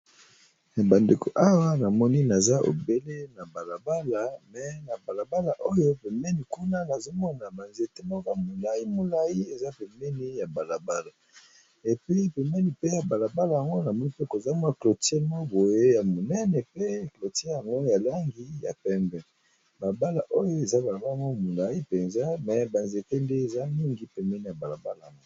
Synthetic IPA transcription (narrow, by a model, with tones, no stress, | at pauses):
ba˨nde˨ko̰˨ʔa˦wa˦na˨mɔ˦ni˦na˨za˦ʔo̰˨be˦le˦na˨ba˨la˨ba˦la˨mɛ˨na˨ba˨la˨ba˦la˨ʔo˦jo˦pe˨mɛ˦ni˨ku˦na˦na˨zo˦mɔ˦na˨ba˨nze˨te˦mo˦ka˨mo˨la˨ji˦mo˨la˦ji˦e˨za˦pe˨mɛ˦ni˦ja˨ba˨la˨ba˦la˨ | e˨pi˦pe˨mɛ˦ni˨pe˦ja˨ba˨la˨ba˦la˨ja˨ŋɡo˦na˨mɔ˦ni˦pe˦ko˨za˦m˦a˦klo˨te˦mo˦bo˨je˦ja˨mo˨nɛ˦ne˨pe˦klo˨te˦ja˨ŋɡo˦ja˨la˦ŋɡi˦ja̰˨pɛ˦mbɛ˨ | ba˨ba˦la˨ʔo˦jo˦e˨za˦ba˨la˨ba˦lŋɡo˦˨mo˨la˨ji˦pe˨nza˦mɛ˨ba˨nze˨te˦nde˦e˨za˦mi˦ŋɡi˦pɛ˨mɛ˦ni˨ja˨ba˨la˨ba˦la˨ŋɡo˦